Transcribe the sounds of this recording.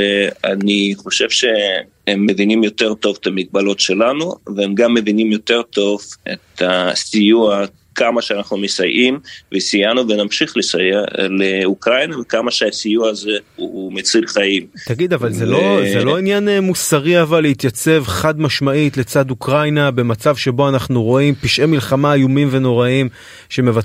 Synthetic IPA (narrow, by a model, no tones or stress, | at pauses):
ea̰niχo̞ʃevʃe̞ | emːevinimjo̞t̪e̞ʁt̪o̞vet̪amiɡ̚balo̞tʃe̞lanuveemɡamːe̞vinimjo̞t̪e̞ʁt̪o̞vḛt̪asijua | kʰamaʃeanaχnumesajʔimvesijanuvenamʃiχlesajeleukʁajnavekamaʃeasijuaazeumet͡silχaim | t̪aɡid̪avalzelozelo̞injanemusaʁiavalːeit̪jat͡se̞vχad̪maʃmaitle̞t͡sad̪ukʁajnabe̞mat͡savʃe̞bo̞anaχnuʁo̞impiʃʔemilχamaːjumimve̞no̞ʁaim | ʃe̞me̞va